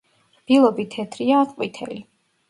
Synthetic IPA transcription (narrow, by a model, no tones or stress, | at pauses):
b̥ilˠɔbit̪ʰɛt̪ʰɾiaːqʼwit̪ʰɛ̰li